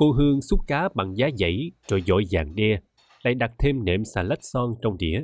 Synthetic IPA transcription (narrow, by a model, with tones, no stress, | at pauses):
ko˧ɦɨ˧əŋsu˦˥t̚kaː˨˦ɓa̰˧˨ŋzaː˨˦zə̰˧˨jt͡ɕo̰˧˨jzo̰˧˨jzaː˨˩ŋɗɛ˧ | la̰ː˧˨jɗa˨˩t̚t̪ʰe˧mnḛ˧˨msaː˧˩lə˦˥t̚sɔ˧ŋt͡ɕɔ˧wŋ͡mɗḭ˧˨ə